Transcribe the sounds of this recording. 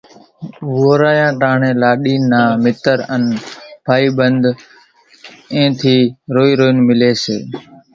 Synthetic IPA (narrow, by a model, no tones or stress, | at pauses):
ʋoːɾaːjãːʈaːɳẽːlaːɗiːnaːmɪt̪əɾənpʰaːiːɓənd̪ | ẽːt̪ʰiːɾoːiːɾoːɪnmɪleːsḛː